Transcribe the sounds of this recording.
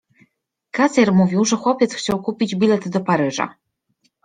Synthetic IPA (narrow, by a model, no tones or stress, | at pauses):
kazʲɛɾmuvʲiwʐɛxwɔpʲjɛt̪sxt͡ɕawkupʲid͡ʑbʲilɛt̪d̪ɔpaɾɘʐa̰